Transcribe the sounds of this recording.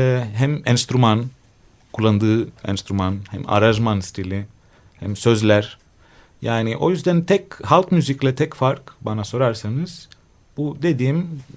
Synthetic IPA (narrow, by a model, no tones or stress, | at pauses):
ɦæmɛnst̪ɾuman | kʰulˠːand̪ɯːɛ̰nst̪ɾumanhɛ̰ma̰ɾaʒmanst̪ʰilʲi | hæmsø̞zlʲæɾ̥ | jaːniʔo̞jyzd̪ænt̪ʰɛchalˠkmyziclʲɛt̪ʰɛcfaɾkbanaso̞ɾaɾsanɯz̥ | b̥ud̪e̞d̪iːm